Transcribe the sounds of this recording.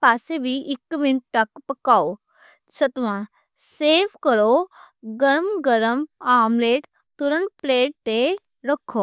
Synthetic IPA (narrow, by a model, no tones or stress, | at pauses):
paːsebʱiʔikːminʈʈakpəkaw | sət̪ʋã | seʋkəɾo | ɡəɾmɡəɾəmamleʈ | t̪uɾəɳpleʈːe | ɾəkʰo